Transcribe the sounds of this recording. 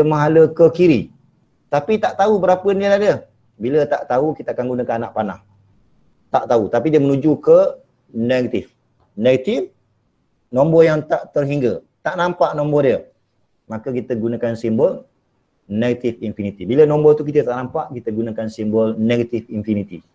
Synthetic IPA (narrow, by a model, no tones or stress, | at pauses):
əmaɦaləkəkiɾi | t̪apit̪aʔt̪aubəɾapəənialadə | bilət̪aʔt̪aukit̪əakanɡunəkananaʔpana̰h | t̪aʔt̪aut̪apidiəmənud͡ʒukə | neɡat̪if | neɡat̪if | nombɔjaŋt̪aʔt̪ərɦiŋɡə | t̪aʔnãmpaʔnõmbɔdiə | makəkit̪əɡunakansimbəl | neɡat̪ifinfinit̪ibilənombɔt̪uk̬it̪ət̪aʔnampaʔkit̪əɡunakansimbəlneɡat̪ifinfinit̪i